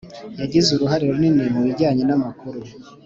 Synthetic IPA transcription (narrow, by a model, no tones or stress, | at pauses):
jaɟizuɾuɦaɾiɾoninemuβiɟaːɲe̞namakuɾu